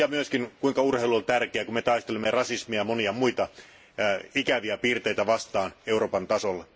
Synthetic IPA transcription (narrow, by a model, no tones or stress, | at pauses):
ɑmyøskinkuiŋkɑurheiluolt̪ærkeækummet̪ɑist̪elemːerɑsismiɑmoniɑmuit̪ɑ | ikæʋiæpiːrt̪eit̪æʋɑst̪ɑːneuroːpɑnt̪ɑsolːe